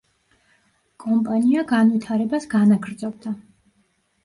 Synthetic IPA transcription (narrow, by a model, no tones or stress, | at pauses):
kʼɔmpʼaniaɡanvit̪ʰaɾɛbasɡanaɡɾd̪zɔb̚d̪a